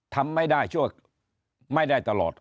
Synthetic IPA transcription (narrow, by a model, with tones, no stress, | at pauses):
t̪ʰa˧mːa˥˩jdaː˥˩jt͡ɕʰu˥˩ək̚ | ma˥˩jda˥˩jt̪a˧lɔ̰ː˨˩t̪̚